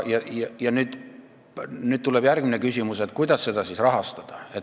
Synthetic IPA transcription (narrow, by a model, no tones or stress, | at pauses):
jɑjɑjɑnyːd̪̥ | nyːd̪̥̚t̪uleb̥jærɡ̥minekysʲimuset̪ːˑkujd̪̥ɑsːe̞d̪ɑsisrɑɦɑst̪ɑd̪̥ɑe̞t̪